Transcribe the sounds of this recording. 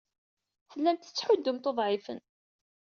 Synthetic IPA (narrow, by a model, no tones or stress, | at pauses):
θəlːænt̪ə̥t͡sːħʊd̪ːəmt̪oðˤʕɪfə̰n